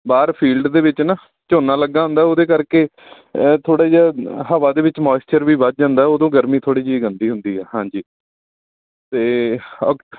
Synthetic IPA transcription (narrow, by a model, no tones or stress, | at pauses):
baːɾpʰiːlɖd̪eːʋɪt͡ʃnaː | t͡ʃoːnaːləɡːaːɦʊ̃nd̪aːoːd̪eːkəɾkeː | t̪ʰoːɽaːd͡ʒaːɦəʋaːd̪eːʋɪt͡ʃmaːst͡ʃəɾʋiːbət̪̚d͡ʒãːnd̪aːɛoːd̪õːɡəɾmiːt̪ʰoːɽiːd͡ʒiːɡənd̪iːɦʊnd̪iːɛːɦãːd͡ʒiː | t̪eː